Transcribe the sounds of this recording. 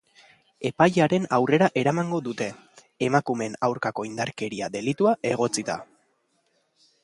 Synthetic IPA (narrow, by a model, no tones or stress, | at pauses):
e̞pajaɾe̞nawre̞ɾaʔe̞ɾamaŋɡo̞ðut̪e̞ | emakume̞nawɾkako̞ind̪aɾke̞ɾiaðe̞lit̪uaʔe̞ɣ̞o̞t͡sit̪a̰